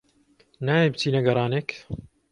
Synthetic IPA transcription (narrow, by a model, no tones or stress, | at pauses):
naːjebɨt̪ʰiːnɐɡɐɾˤɑːneːk